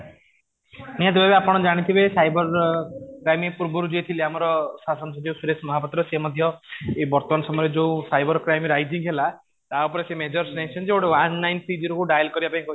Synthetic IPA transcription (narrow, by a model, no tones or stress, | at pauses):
nijat̪ebabeapɔɽ̃ɔd͡ʒaɽ̃it̪ʰibesajbɔɾkɾajmipuɾbɔɾud͡ʒuet̪ʰileamɔɾɔsasɔnsɔd͡ʒisiɾesmɔɦapɔt̪ɾɔsemɔd̪ʱjɔebɔɾt̪ɔmaɳɔsɔmɔɾed͡ʒeũsajbɔɾkɾajmiɾajd͡ʒiŋɡɦela | t̪aupɔɾesemed͡ʒɔɾsnet͡ʃʰɔnd͡ʒeoɽewanːajnpʰid͡ʒiɾɔkuɖajlkɔɾibapaĩkɔ